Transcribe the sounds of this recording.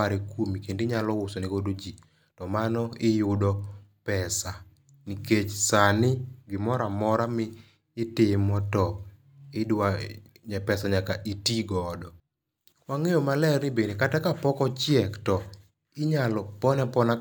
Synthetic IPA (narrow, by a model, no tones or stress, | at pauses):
aɾekomikendiɲalɔwʊsɔnikodod͡ʒi | tɔmanɔɪjʊdɔpɛsa | niket͡ʃsanɪɡɪmɔɾamɔɾamɪː | temɔtɔ | ɪdwaɲɛpɛsaɲakaʔitiɡɔdɔ | waŋejɔmalɛrnɪbenekatakapɔkɔt͡ʃɪɛktɔ | ɪɲalɔpɔnɛpɔna